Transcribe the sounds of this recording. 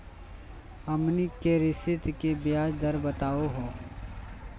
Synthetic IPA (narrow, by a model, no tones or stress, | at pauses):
ɐmnikeɾɪsɪt̪kebjaːd͡ʒd̪əɾbət̪aːoɦoː